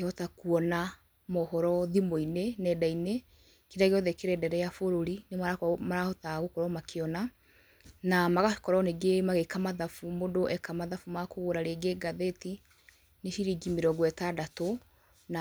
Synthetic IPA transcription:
eɔtakuɔna | mɔhɔɾɔðimoinenɛdaine | kenaɣeɔðɛkeɾɛdɛɾɛjafoɾoɾinemaɾakmaɾahɔtaɣokɔɾɔmakʰeɔna | namaɣḁkɔɾɔneɡemaɣekamaðafumodoʔɛkamaðafumakoɣoɾaɾeɡeɡaðeti | neʃiɾiɡimeɾɔɡwɛtadato | na

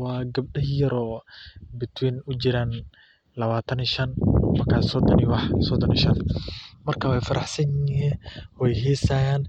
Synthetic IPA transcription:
wɑːɡɐb̚ɖɐhjɐɾɔːbɪt̪ʰwiːnʊt͡ʃɪɾaːn | lɐβaːt̪ʰɐniʃɐnmɐrkʰaːsɔd̪ɔniwɑħsɔd̪ɔniːʃɐnmɐrkʰawɛjfɐɾɑħsɐnɪɦiːnwɛjɦɛːsaːjaːn

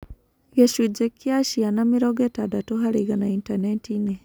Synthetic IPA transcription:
jeʃud͡ʒekiaʃianamiɾoɡetadatoɦaɾiɣanaintanetine

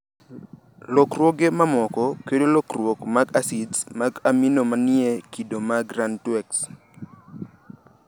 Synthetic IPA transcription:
lɔkrwoɡemamɔkɔkedolokrwokmaɡasidsmaɡaminomanɪekidomaɡɾantwɛks

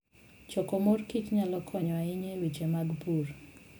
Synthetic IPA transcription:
t͡ʃɔkɔmorkit͡ʃɲalɔkʰɔɲɔaɪɲelwit͡ʃemaɡpur

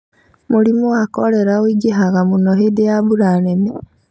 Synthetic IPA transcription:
mulimuwakoleɾawiɟiɦaɣamunoɦedejaβuɾanene

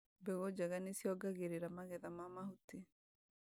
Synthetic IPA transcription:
bɛɣod͡ʒaɣanisjɔɡaɣeɾeɾamaɣɛðamamahut̪i

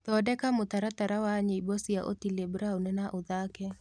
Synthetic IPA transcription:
t̪ɔdɛkamʊt̪aɾat̪aɾawaɲeibosiaʔo̰tilebɾaonɛnaʔoðakɛ

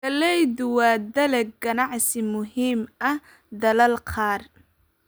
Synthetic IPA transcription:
ɐlɛjdʊwɑːd̪ɐlɛɡɐnɑʕsɪmʊɦiːmɐh | d̪ɐlɐlqʰɑːr

